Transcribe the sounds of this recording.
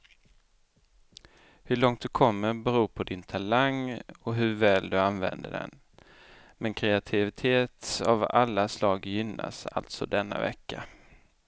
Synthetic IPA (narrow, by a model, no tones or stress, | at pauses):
hɵɭɔŋt̪̚d̪ɵkʰɔmːəɾbɛɾuːpʰɔd̪ɪnt̪ʰalaŋɔɦɵvɛːld̪ɵanvɛ̰nd̪ə̰ɖɛ̰n | mɛnkʰɾɛat̪ʰɪvɪt̪ʰeːt̪avalːaslɑːɡjʏnːa̰sa̰lt̪sɔd̪ɛnːa̰vɛ̰kːa